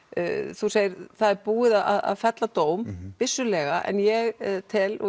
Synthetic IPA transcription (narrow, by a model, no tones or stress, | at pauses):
θuseːjɪɾθaðɛɾpuːɪðaða̰ða̰ðfɛt̪lat̪oːwmpɪsːʏlɛɣaʔɛ̰njɛɣt̪ʰɪlɔ